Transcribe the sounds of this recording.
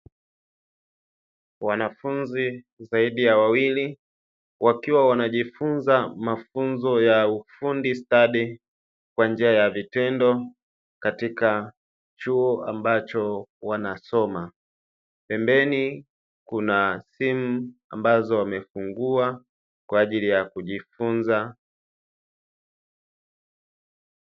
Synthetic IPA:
wanafunzi | zaiɗijawawili | wʔakiwawanaʄifunzamafunzɔjaufundistaɗi | kwand͡ʒiajavitɛndɔ | katika | t͡ʃuɔambat͡ʃɔwanasɔma | pɛmbɛni | kunasimua̰mbazɔwamɛfuŋɡua | kwaːʄilijakuʄifunza

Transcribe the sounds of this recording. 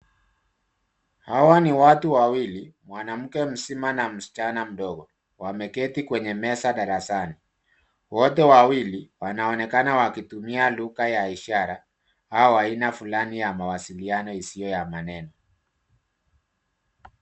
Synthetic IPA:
hawaniwatuwawilimwanam̩kɛm̩simanam̩si̥t͡ʃanam̩ɗɔɣɔ | wamɛkɛtikwɛɲɛmɛsaɗaɾasani | wɔtɛwawiliwanaɔnɛkanawakitumialuɣajaiʃaɾa | aɔwainafulanijamawasilianɔisiɔjamanɛnɔ

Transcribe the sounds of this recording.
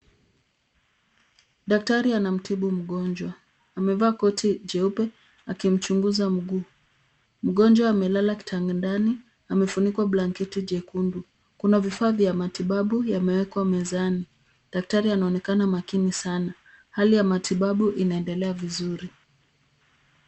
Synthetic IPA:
ɗak̚taɾianam̩tʰiɓum̩ɠɔnd͡ʒwaː | mɛvaːkɔtʰid͡ʒɛupɛ | akim̩t͡ʃuŋɡuzam̩ɡuː | m̩ɠɔnd͡ʒwaːmɛlalaki̥tʰaŋɡndani | amɛfunikwaɓlaŋkɛtid͡ʒɛkundu | kunavifaːvjamatiɓaɓujamɛwɛkwamɛzani | ɗak̚taɾianaɔnɛkanamakinisana | halijamatiɓaɓuʔinaɛndɛlɛavizuɾi

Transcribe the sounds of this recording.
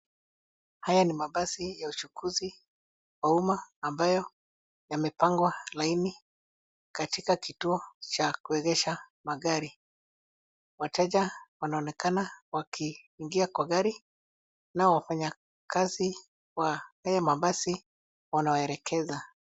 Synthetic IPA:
hajanimaɓasijaut͡ʃukʰuzi | waumaːmbajɔ | jamɛpaŋɡwalaini | katikakituɔt͡ʃakuɛɣɛʃa | maɡaɾi | watɛʄawanaɔnɛkanawakʰiːŋɡiakwaɡaɾi | nawafaɲa | kazi | wahajamaɓasi | wanaɛɾɛkʰɛza

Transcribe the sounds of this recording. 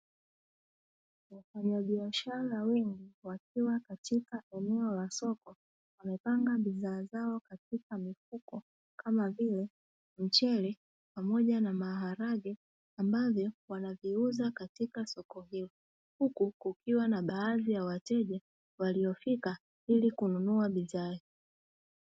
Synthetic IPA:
wafaɲaɓiaʃaɾawɛŋɡiwak̚iwakatikaɛnɛɔlasɔkɔ | wamɛpaŋɡaɓiðaːzaɔkatikamifukɔ | kamavilɛ | m̩t͡ʃɛlɛ | pamɔʄanamaɦaɾaɠɛ | ambavjɔwanaviuzakatikasɔkɔhilɔ | hukukukiwanaɓaːðijawatɛʄɛ | waliɔfika | ilikununuaɓiðai

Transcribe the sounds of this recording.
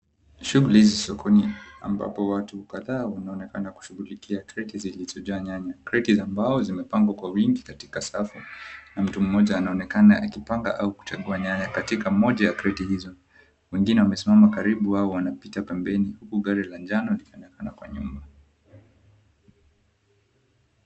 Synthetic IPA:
ʃuɣulihizisɔkʰɔnia̰mba̰pɔwatukaðaːwanaɔnɛkanaku̥ʃuɣulikʰiakɾɛtizilizɔʄaːɲaɲakɾɛtizambaɔzimɛpaŋɡwakwawiŋɡikati̥kasafunam̩tum̩ːɔʄaːnaɔnɛkanaʔakipaŋɡa̰ʔauku̥t͡ʃaɠuaɲaɲakatikamɔʄajakɾɛtihizɔ | wɛŋɡinɛwamɛsimamakaɾiɓuwaɔwanapitapɛmbɛnihukuɠaɾiland͡ʒanɔlikiɔnɛkanakwa̰ɲṵmba

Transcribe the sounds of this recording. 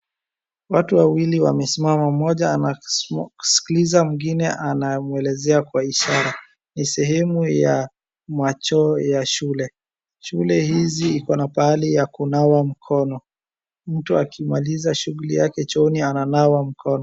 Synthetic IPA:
watuwawiliwa̰mɛsimamamɔʄaanau̥si̥kilizamuŋɡinɛʔanamuɛlɛzɛakwaiʃaɾa | nisɛɦɛmuja | mat͡ʃɔjaʃulɛ | ʃulɛhiziikɔnapaalijakunawam̩kʰɔnɔ | m̩tuakʰimalizaʃuɣulḭjakɛt͡ʃɔniananawam̩kʰɔnɔ

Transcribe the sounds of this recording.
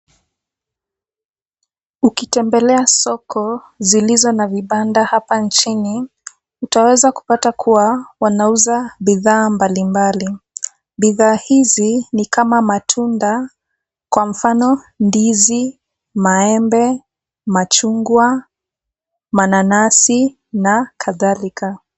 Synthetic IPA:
ukitɛmbɛlɛasɔkʰɔ | zilizɔnaviɓandahapant͡ʃini | utawɛzaku̥patakʰuwawanauzaɓiðaːmbalimbali | ɓiðaːhizinikamamatʰunda | kwam̩fanɔ | ndizi | maɛmbɛ | mat͡ʃuŋɡwa | mananasi | nakʰaðalikʰa

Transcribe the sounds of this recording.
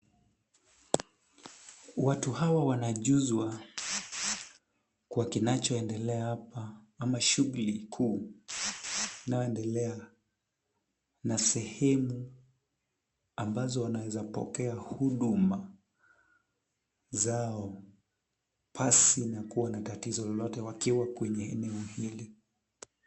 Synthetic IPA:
watuhawawanaʄuzwa | kuwakinat͡ʃɔɛndɛlɛahapa | amaʃuɣulikʰuː | inajɔɛndɛlɛa | nasɛhɛmu | ambazɔwanawɛzapɔ̰kɛahuɗuma | zaɔ | pʰasinakuwanatatizɔlɔlɔtɛwakiwakwɛɲɛɛ̰nɛɔhili

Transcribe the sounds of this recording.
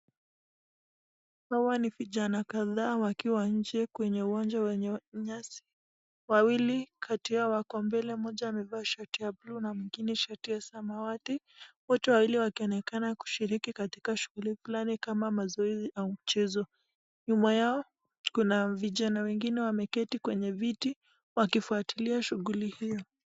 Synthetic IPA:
hawaniviʄanakaðaːwakiwaɲ̩d͡ʒɛkwɛɲɛuwand͡ʒawɛɲɛɲasi̥ | wawilikʰatiawakɔmbɛlɛmɔʄaːmɛvaːʃatiablunamwiŋɡinɛʃatiasamawati | wɔtɛwawiliwakiɔnɛkanaku̥ʃiɾikikatikaʃuɣulifulanikamamazɔɛziʔaum̩t͡ʃɛzɔ | ɲumajaɔ | kunaviʄanawɛŋɡinɛwamɛkɛtikwɛɲɛviti | wakifuatiliaʃuɣulihijɔ

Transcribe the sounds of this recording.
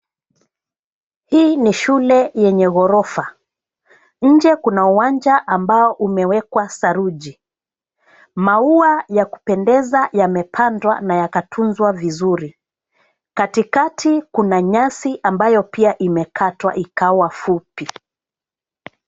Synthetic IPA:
hiːniʃulɛjɛɲɛɣɔɾɔfa | ɲ̩d͡ʒɛkunauwaɲd͡ʒaʔambaɔʔumɛwɛkwasaɾuʄi | mauajaku̥pɛndɛzajamɛpʰandwa̰najakatʰunzwavizuɾi | katikatʰikunaɲasiʔambajɔpiaʔimɛkʰatwa̰ʔikawafupi

